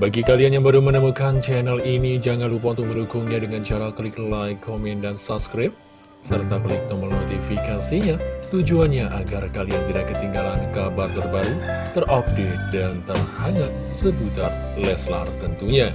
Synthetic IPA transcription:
baɡikalianjaŋbəɾumənəmukant͡ʃɛnɛlinid͡ʒaŋanlup̬aunt̪ʊk̚məndukʊŋɲadəŋant͡ʃaɾaklɪklajkʰomɛndansap̚skɾɪp̚ | sərt̪akəlɪk̚t̪ɔmənot̪ifikasiɲat̪ud͡ʒuanɲaʔaɡarkaliant̪idahkət̪iŋɡalankabart̪ərbaɾut̪ərʔɔp̚det̪̚dant̪ərhaŋaʔ̚ | səbut̪ar | lɛsla̰rt̪ənt̪uɲa

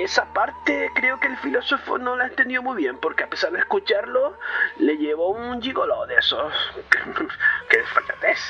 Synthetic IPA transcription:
esapaɾt̪ekɾe̞okelfilo̞so̞fo̰no̞laent̪end̪jo̞mujβje̞mpo̞ɾkeape̞saɾðehskut͡ʃaɾloleʝeβound͡ʒiɣoloðesoskekeðesfak̪at̪es

